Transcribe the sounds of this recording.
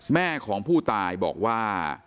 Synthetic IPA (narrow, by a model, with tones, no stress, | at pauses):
mɛː˥˩kʰɔː˩˦ŋpʰuː˥˩t̪aː˧jbɔ̰ː˨˩k̚waː˥˩